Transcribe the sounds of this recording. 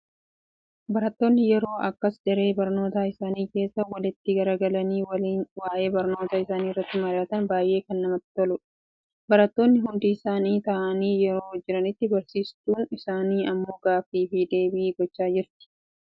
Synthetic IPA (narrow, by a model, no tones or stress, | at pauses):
bɐɾɐt̪ːo̞ːnːɪjɛɾo̞ːʔɐkːɐsd̪ɛɾe̞ːbɐɾno̞ːt̪aːɪsaːniːke̞ːsːɐwɐlɪt̪ːɪɡɐɾɐɡɐlɐniːwwaːʔe̞ːbɐɾno̞ːt̪aːɪsaːniːrːɐt̪ːɪmɐɾɪjaːt̪ɐnbaːjʔe̞ːkɐnːɐmɐt̪ːɪ̥t̪ɔlʊᶑ | bɐɾɐt̪ːo̞ːnːɪɦʊnd̪iːɪsaːniːt̪ɐʔɐniːjɛɾo̞ːd͡ʒːɪɾɐnɪt̪ːɪbɐɾsiːst̪uːnɪsaːniːʔɐmːo̞ːɡaːfiːfid̪e̞ːbɪːɡɔt͡ʃːaːd͡ʒɪɾt̪ɪ̥